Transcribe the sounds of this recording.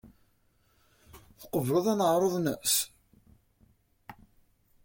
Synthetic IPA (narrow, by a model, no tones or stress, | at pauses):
θqəvlʊðˤænəʁɾˤoðˤnə̰s